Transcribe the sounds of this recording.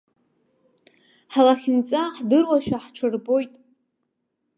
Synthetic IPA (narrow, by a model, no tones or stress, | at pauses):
ħalaχʲɪnt͡sʼaħdɨrwaʃᶣaħʈ͡ʂʷʰɨrbo̞jtʼ